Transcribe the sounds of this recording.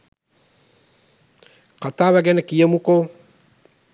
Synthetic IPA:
kataβɛɡɛnɛkijemuko

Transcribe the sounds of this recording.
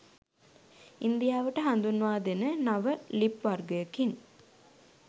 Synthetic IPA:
ind̪ijaːʋəʈəɦand̪unːuʋaːd̪enənaʋəlipʋarɡəjəkin

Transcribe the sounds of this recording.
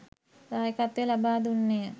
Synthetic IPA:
daːjekat̪ejəlabaːd̪unːejə

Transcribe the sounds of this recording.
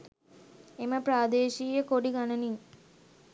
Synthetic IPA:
eməpɾaːd̪eːʃiːjəkoɖiɡanəniŋ

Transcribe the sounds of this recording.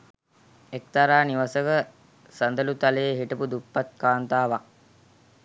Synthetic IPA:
ek̚t̪aɾaːniʋasəkə | sand̪əlut̪aləːɦiʈəpud̪upːat̪̚kaːnt̪aːʋa

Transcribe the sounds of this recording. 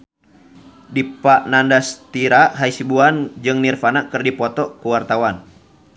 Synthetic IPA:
dipaʔnandast̪iɾaʔɦaisibuand͡ʒɨŋnirfanakɨrdipɔt̪ɔkuwart̪awan

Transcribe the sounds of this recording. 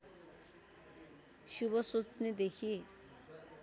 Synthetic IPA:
subʌsust̪ned̪ekʰi

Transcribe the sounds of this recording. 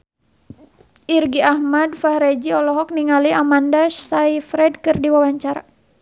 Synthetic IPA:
ʔirɡiahmadfahɾɛd͡ʒiɔlɔɦɔk̚niŋaliamandaʃaifɾɛdkɨrdiwawaɲt͡ʃaɾa

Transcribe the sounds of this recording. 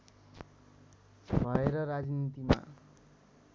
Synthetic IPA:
bʱʌeɾʌɾad͡znit̪ima̰

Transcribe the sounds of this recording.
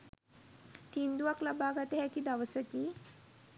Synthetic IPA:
t̪ind̪uaklabaːɡat̪eɦɛkid̪aʋəsəki

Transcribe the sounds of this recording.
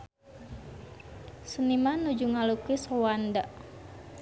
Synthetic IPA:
sənimanud͡ʒuŋalukisowandaʔ

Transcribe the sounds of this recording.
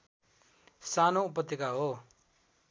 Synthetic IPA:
sanoupʌt̪ːikaɦo

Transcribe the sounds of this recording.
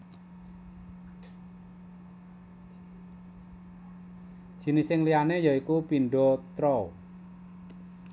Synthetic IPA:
d̥ʒ̥i̤nɪsɪŋlianejɔikupinɖot̪ɾɔ

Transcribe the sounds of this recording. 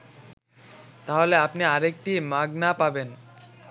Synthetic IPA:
t̪aɦoleapniaɾek̚ʈimaɡnapaben

